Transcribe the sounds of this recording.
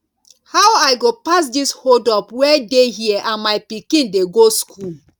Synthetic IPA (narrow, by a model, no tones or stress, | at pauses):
hawaɪɡopas̬dishodɔpwɛdeɦiɛʔãnmaɪpikĩndeɡoskʰul